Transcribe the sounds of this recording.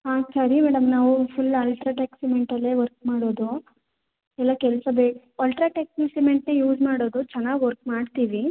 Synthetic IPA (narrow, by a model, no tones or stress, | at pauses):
ɦaːsɐɾimɛːɽɐmnaːʋupʰulɐːlʈɾaːʈeksimeɳʈɐlːeːʋɐɾk̚maːɽo̞ːd̪u | ɛlːakɛlɐsɐbeː | ɐlʈɾaːʈek̚sinsimeɳʈnejuːd͡ʒmaːɽoːd̪ut͡ʃɛnːaːɡʋɐɾk̚maːɖt̪iːʋi